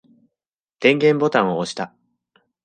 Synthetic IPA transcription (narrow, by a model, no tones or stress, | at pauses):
d̪̥ẽ̞ŋɡẽ̞mbo̞t̪ãɰ̃ooɕi̥t̪a